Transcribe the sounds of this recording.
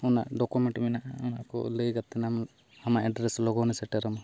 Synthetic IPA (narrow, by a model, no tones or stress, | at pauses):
una̰ʔɖɔkumɛɳʈminaʔaunaʔkɔ̰ləjɡat̪ɛnam | amaʔɛɖɾeslɔɡɔnɛsɛʈɛɾɔmɔ